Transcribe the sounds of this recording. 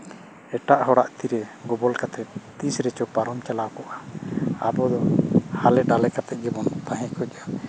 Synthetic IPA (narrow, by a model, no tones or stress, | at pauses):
ɛʈaʔɦɔɽaʔt̪iɾɛɡɔbɔlkat̪ʰɛt̪t̪isɾɛt͡ʃɔpaɾɔmt͡ʃalawkɔʔaa̰bɔd̪ɔhalɛɖalɛkat̪ɛt̪̚ˀɡɛbɔnt̪aɦɛ̃kʰɔca